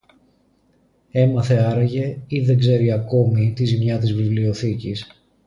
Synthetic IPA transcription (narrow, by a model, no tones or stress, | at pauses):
e̞mɐθe̞ɐɾɐʝe̞iðe̞ɡze̞ɾiɐko̞mit̪izimɲɐt̪izvivlio̞θicis